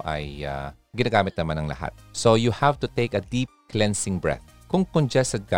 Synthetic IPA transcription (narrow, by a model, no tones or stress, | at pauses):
ʔɐ̰ja̰ | ɡɪnaːɡaːmɪt̪̚nɐmanɐŋlɐ̰ha̰t̪̚sojuhavt̪ʊt̪eɪkɐd̪ip̚klɛ̃nsɪ̃ŋbɹɛ̰θ̚ | kʊŋkɔnd͡ʒɛsɛd̪̚ɡa